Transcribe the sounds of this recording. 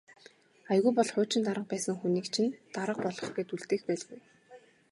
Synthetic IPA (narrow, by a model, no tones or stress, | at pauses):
ajɣujpɔɮχʊːt͡ɕɪ̆nt̪aɾə̆q̚pæːsə̆ŋxuniːkt͡ɕʰint̪aɾə̆q̚pɔɮɞ̆χɡet̪uɮt̪eːxpæːɮɣuj